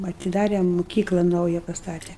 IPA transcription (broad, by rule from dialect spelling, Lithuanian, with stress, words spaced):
ɐtʲɪˈdɑːrʲɛ mʊˈkʲiːklˠɐ ˈnɐʊjɛ pɐsˈtɑːtʲɛ